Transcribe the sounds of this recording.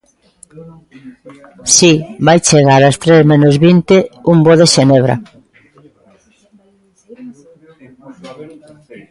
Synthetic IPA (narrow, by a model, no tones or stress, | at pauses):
sibajt͡ʃeɣ̞aɾast̪ɾezmẽnozβint̪eumboðeʃeneβɾa̰